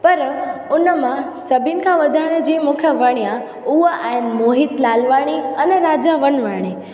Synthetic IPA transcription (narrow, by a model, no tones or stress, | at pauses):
pɐɾʊnəmã | səbʱinɪ̆kʰãʋəd̪ʱaɽ̃d͡ʑẽmukʰjãʋəɽ̃ijã | uəʔaɪnmoːɦit̪laːlʋaːɽ̃iənɛɾaːd͡ʑaʋənʋaɽ̃i